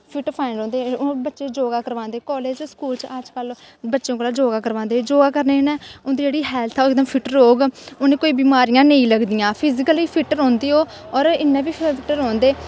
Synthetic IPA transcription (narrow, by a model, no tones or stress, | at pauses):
pʰɪʈəɾpʰaːɪɳɖõːnd̪eːbətːʃẽːd͡ʒoːɡaːkəɾʋãːnd̪eːkɔːleːd͡ʒskuːlt͡ʃəd͡ʒkəl | bətːʃõːkoːlaːd͡ʒoːɡaːkəɾʋãːnd̪eːd͡ʒoːɡaːkəɾneːnɛ̃ːʊnd̪iːd͡ʒeːɽiːɦɛːlt̪ʰːoːɪkd̪əmpʰɪʈɾoːɡʊnẽːkoːiːbiːmaːɾijãːneĩːləɡd̪ijãːpʰɪzɪkəliːpʰɪʈːəɾɔ̃ːnd̪iːoː | ɔːɾɪnːẽːbiːpʰɪʈːəɾɔ̃ːnd̪eː